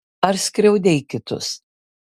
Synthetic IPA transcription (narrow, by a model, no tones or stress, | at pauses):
ɐɾsʲkɾʲɛʊd̪ʲɛjkʲɪt̪ʊ̰s